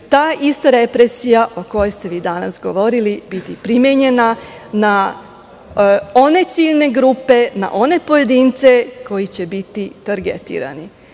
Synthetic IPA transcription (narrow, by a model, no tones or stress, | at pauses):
t̪aːʔist̪aɾe̞pɾesijaʔo̞ko̞jest̪e̞ʋiːd̪ana̰sɡo̞ʋo̞ɾilibit̪ipɾimjeɲe̞na | na | o̞ne̞t̪siːʎne̞ɡɾuːpe̞na̰ʔo̞ne̞po̞je̞d̪int̪se̞ko̞jit͡ɕe̞bit̪it̪aɾɡḛt̪ḭːɾa̰ni